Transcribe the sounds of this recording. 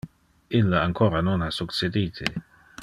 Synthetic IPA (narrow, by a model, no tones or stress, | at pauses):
ilːaaŋkʰoːɾanonasukt͡sed̪iːt̪ʰe